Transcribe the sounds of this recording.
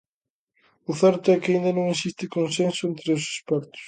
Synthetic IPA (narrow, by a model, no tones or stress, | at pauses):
ʊθɛɾt̪ʊɛkaind̪anõŋesist̪ɪkõnsẽnsʊent̪ɾɪʊse̥spɛɾt̪ʊ̥s